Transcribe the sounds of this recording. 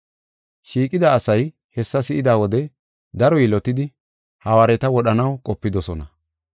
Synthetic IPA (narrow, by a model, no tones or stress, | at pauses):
ʃiːkʼɪd̪aːsɐj | hɛsːɐsɪʔɪd̪aːwɔd̪ɛ | d̪ɐɾɔjilɔt̪ɪd̪ɪ | hɐwaːɾɛt̪ɐwɔɗɐnɐwkʼɔpːɪd̪ɔsɔnɐ